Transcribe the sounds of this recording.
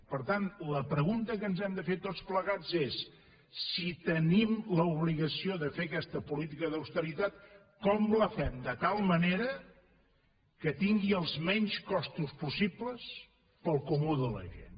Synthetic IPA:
pəɾt̪anləpɾəɣunt̪əkənzɛmd̪əfet̪ospləɣad͡zesː | it̪ənimləuβliɣəsioðəfekɛst̪əpulit̪̬ikəðəwst̪əɾit̪at̪ | kɔmləfɛmd̪ət̪alˠməneɾə | kət̪iŋɡiəlˠzmɛɲskɔst̪uspusipləs | pəlˠkumuðələ̰ʒḛn

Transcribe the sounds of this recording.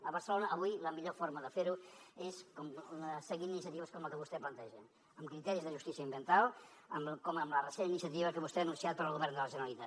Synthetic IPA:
əβəɾsəlonəːβujləmiʎofoɾməðəfeɾueskɔməsəɣininisiət̪iβəskɔmləkəβust̪ɛplənt̪ɛʒə | əmkɾit̪ɛɾizðəʒust̪isiəmbjənt̪alˠ | əmkɔməmlərəseninisijət̪̬iβəkəβust̪ɛənunsiat̪̚pəɾəlˠɣuβɛɾnd̪ələʒənəlit̪at̪

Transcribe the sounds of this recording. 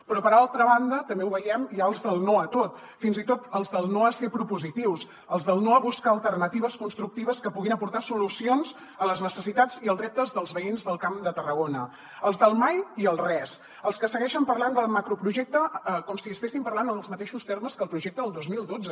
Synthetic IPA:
pɾɔpəɾalˠt̪ɾəβ̞and̪ət̪əmbeuβəjɛmiaəlˠzðəlˠnoət̪ot̪ | finzit̪ot̪əlˠzðəlˠnoəsepɾupuzit̪iws | əlˠzðəlˠnoəβuskaəlˠt̪ərnət̪iβəskunst̪ɾuk̚t̪iβəskəpuɣinəpuɾt̪asulusionz | ələznəsəsit̪ad͡ziəlˠzrɛp̚t̪əzðəlˠzβəinzðəlˠkamd̪ət̪ərəɣonə | əlˠzðəlˠmajiəlˠrɛs | əlˠskəsəɣɛʃəmpərland̪əlˠmakɾupɾuʒɛk̚t̪əkɔmsiəst̪esimpəɾlanənəlˠzmət̪eʃust̪eɾməskəlˠpɾuʒɛk̚t̪əðəlˠd̪ozmilˠd̪od͡zə

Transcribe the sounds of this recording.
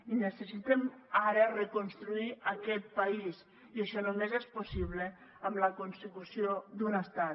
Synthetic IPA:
inəsesit̪emaɾarekonst̪ɾuiɐkɛt̪̚pais | iaʃɔnomezesposiβ̞le | amlɐkonsekusiod̪unəst̪a

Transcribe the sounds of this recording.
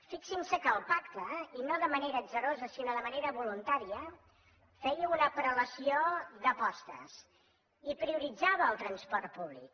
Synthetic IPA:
fiksinsəkəlˠpakt̪əinoðəməneɾəzəɾozəsinoðəməneɾəβulunt̪aɾiə | fɛjəunəpɾələsioðəpɔst̪ə̰s | ipɾiuɾid͡zaβəːlˠt̪ɾənspɔɾt̪̚puβlḭk̚

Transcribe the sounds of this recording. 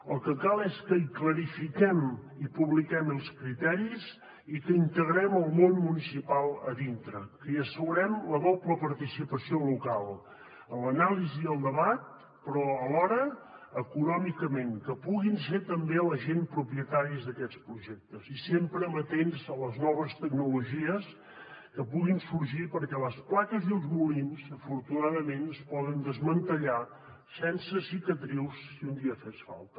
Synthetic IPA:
əlˠkəkalˠɛskəikləɾifikɛmipuβlikɛməlˠskɾit̪ɛɾiz | ikəint̪əɣɾɛməlˠmonmunisipalˠəðint̪ɾəkəiəsəɣuɾɛmləβɔpləpəɾt̪isipəsiolukalˠ | ələnaliziðəlˠd̪əβat̪̚ | pɾɔəlɔɾəːkunɔmikəmeŋkəpuɣinset̪əmbeləʒenpɾupiət̪aɾiəzðəkɛt͡spɾuʒɛk̚t̪əzisempɾəmət̪enzələznɔβ̞əst̪əɡnuluʒiəs | kəpuɣinsuɾʒipəɾkɛləsplakəziəlˠzmulinzəfuɾt̪unaðəmenəspɔðənd̪əzmənt̪əʎa | sɛnsəsikət̪ɾiwsːiund̪iəfesfa̰lˠt̪ə

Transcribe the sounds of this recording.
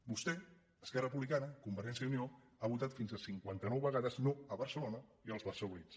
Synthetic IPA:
bust̪ɛ | əskɛrərəp̬uβlikanəkumbəɾɛnsiəunio | aβut̪at̪finzəsiŋkwant̪ənɔwβəɣaðəznoəβəɾsəlonəiəlˠzβəɾsəunis

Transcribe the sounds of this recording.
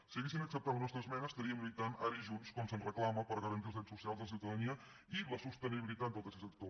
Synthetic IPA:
səɣesinəksəp̚t̪amənɔst̪ɾəzmɛnəst̪əɾiəmɾit̪ana̰ɾiʒunskɔmsənrəklaməpəɾɣəɾənt̪ilˠzðɾɛsusialzðəlsiwt̪əðəniə | iləsust̪əniβilit̪at̪̚d̪olˠt̪əsesət̪o

